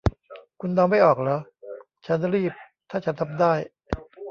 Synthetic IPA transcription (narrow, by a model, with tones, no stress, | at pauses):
kʰu˧ndɔː˧ma˥˩jʔɔː˨˩k̚laː˦˥ | t͡ɕʰa˦˥nɾiː˥˩p̚t̪ʰaː˥˩t͡ɕʰa˦˥nt̪ʰa˧mdaː˥˩j